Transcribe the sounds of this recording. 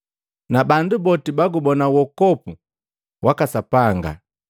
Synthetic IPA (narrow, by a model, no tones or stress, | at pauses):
nabandubɔtibaɡubɔnawɔkɔpu | wakasapaŋɡa̰